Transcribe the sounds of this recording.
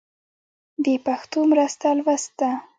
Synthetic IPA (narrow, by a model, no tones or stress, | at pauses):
bepaxt̪omɾast̪alwast̪̚a